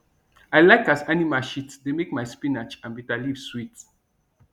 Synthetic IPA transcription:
ajlaɪkasɛnimaʃitsdemekmajspinat͡ʃãnbitaliv̥swit

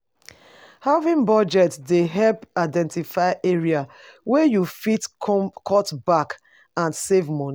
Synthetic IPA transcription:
havĩŋbɔd͡ʒɛtsdeɦɛlpaɪdɛ̃ntifaɪʔeɹiawɛjufitkʰɔtbak | ãnsevmɔni

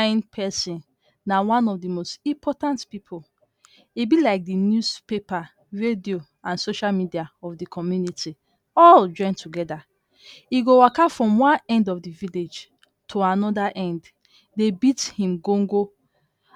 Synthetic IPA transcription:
ɪ̃npʰɛsĩn | nawãnɔvdimostĩmpʰɔtãntpipʰol | ibilaɪk̚dinjuspepa | ɹedio | ãnsoʃalmidiaɔvdikʰɔmjuniti | ɔld͡ʒɔ̃ɪ̃ntuɡɛda | iɡowakafɹɔ̃mwãnɛ̃ndɔvdiviled͡ʒ | tʰuanɔdaʔɛ̃nd | debithĩmɡõŋɡo

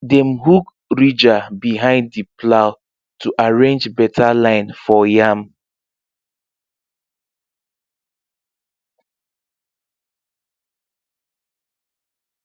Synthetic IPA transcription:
dɛmɦuk | ɹid͡ʒabiɦãɪ̃ndːiplaʊ | tʰuʔaɹẽnd͡ʒbɛtʰalãɪ̃nfɔjam

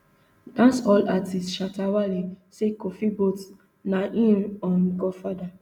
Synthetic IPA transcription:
dãnsɔlatistʃatawalisekofibot | naʔĩnɔ̃nɡɔfada

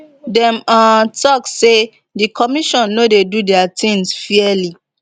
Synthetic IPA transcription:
dɛ̃matɔkse | dikʰɔmiʃɔ̃nːodedudɛatĩŋsfiɛli

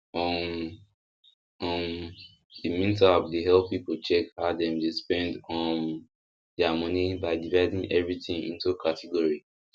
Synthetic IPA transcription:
ɔ̃n | ɔ̃n | dimĩntapdeɦɛlppipot͡ʃɛkhadɛ̃mdespɛ̃ndɔ̃n | dɛamʌnibaɪdivaɪdĩŋɛvɹiθĩŋḭ̃ntukʰatʰiɡɔɹi

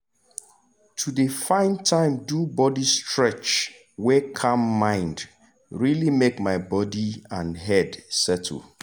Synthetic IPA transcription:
tʰudəfãɪ̃ntʰãɪ̃mdubɔdistɹɛt͡ʃ | wɛkʰãmːãɪ̃nd | ɹilimekmaɪbɔdiãnɦɛdsɛt̩ʰ

